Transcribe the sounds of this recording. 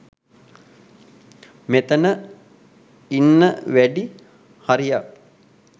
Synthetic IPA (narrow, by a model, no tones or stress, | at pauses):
met̪ənə | inːəʋæɖi | haɾijak